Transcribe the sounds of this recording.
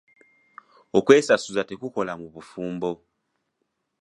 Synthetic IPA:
okwesasuzatekukolamuβufuːmbo

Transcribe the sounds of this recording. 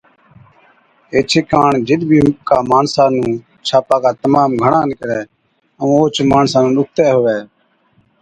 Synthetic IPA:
eːt͡ʃʰeːkaːɳd͡ʒɪɗ̪bʱiːkaːmaːnsaːnũː | t͡ʃʰaːpaːkaːt̪əmaːmɡʱəɳãːnɪkəɾɛː | əũːoːt͡ʃmaːnsaːnũːɗʊk̚ʰt̪ɛːɦʊʋɛː

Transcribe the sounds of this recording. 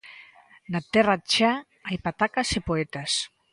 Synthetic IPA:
nat̪ɛrat͡ʃa | ajpat̪akasepoet̪as

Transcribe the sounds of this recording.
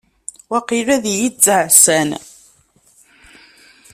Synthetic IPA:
wæqiɾæðjit͡sːəʕsæn

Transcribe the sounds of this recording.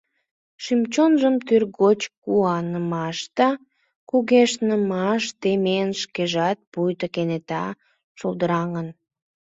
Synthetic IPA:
ʃymt͡ɕonʒəmt̪yrɣot͡ɕkuɑnəmɑʃt̪ɑ | kuɣeʃnəmɑʃt̪emenʃkeʒɑt̪̚pujt̪əkenet̪ɑ̰ | ʃolˠd̪əɾɑŋən

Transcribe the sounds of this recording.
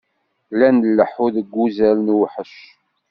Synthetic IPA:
lænəlːəħuðəɡʷːuzælnwħəʃ

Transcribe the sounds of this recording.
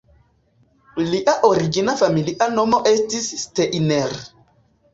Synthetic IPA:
liʔaʔoɾiɡinafamiliʔanomoʔestisːteʔineɾ

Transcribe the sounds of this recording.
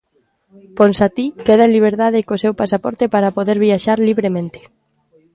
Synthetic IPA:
ponsat̪ikeð̞ãliβ̞eɾt̪aðekosewpasapɔɾt̪epaɾapoðeɾβiaʃaɾliβɾemẽnt̪e̥

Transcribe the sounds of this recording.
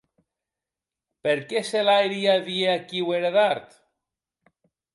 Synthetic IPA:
peɾkeselajɾiaðieakiweɾeðaɾt̪

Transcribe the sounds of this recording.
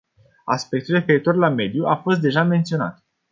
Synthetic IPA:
a̰spe̞k̚t̪ulre̞fe̞ɾit̪o̞rlame̞d̪juʔafo̞st̪̚d̪e̞ʒame̞nt̪sio̞na̰t̪

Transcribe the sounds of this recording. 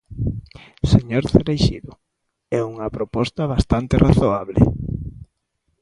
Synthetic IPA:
seɲoɾθeɾejʃḭðʊ | ɛuŋɐpɾopɔst̪ɐβ̞ast̪ant̪eraθoaβlḛ

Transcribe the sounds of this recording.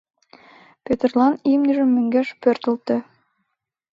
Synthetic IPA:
pʲet̪ĕrlˠɑnimniʒɘ̆mːy̆ŋɡæʃpørt̪ə̆lt̪ɘ̆

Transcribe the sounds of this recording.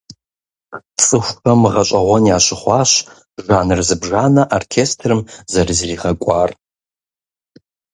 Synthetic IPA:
t͡sʼɨxʷɐmɨʁɐɕʷʼɐʁʷɔnjaːɕɪχʷɑːɕ | ʒaːnɨrzɨbʒaːnɐʔorkʰeːstʰrɨmzɐrzriːʁɐkʷʼɑːr

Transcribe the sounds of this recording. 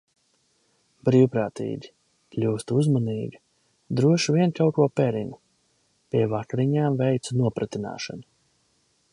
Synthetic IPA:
bɾiːwpɾaːt̪ḭːɡʲi | klʲuːst̪uzmaniːɡʲi | d̪ɾuɔʃvʲiɛnkawkuɔpɛɾinu | pʲiɛvakɾiɲaːmvɛjt̪sunuɔpɾat̪ina̰ːʃa̰nu

